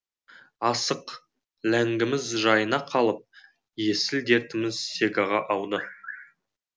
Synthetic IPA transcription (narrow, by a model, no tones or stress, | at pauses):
ɑsəq | læŋɡʲɪmɪzʒɑjənɑqʰɑlˠəp̚ | je̞sɪld̪e̞ɾt̪ɪmɪzse̞ɡɑʁɑʔɑwd̪ə